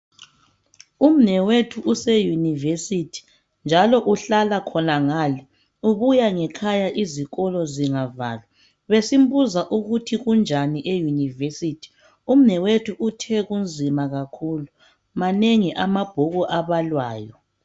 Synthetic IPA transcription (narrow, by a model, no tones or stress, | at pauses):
um̩nɛwetʰuʔusejunivesitʰi̥ | nd͡ʒʱalɔʔuɬalakʰɔnaŋaːli | uβujaŋɛkʰajaʔiziɣɔlɔziŋava̰ːlwa | βesimbuzaʔuɣutʰiɣund͡ʒʱaniʔejunivesitʰi̥ | um̩nɛwetʰuʔutʰɛɣund͡zʱimaɣakʰulu | maneŋiʔamab̥ʱɔɣɔʔaβalwaːjɔ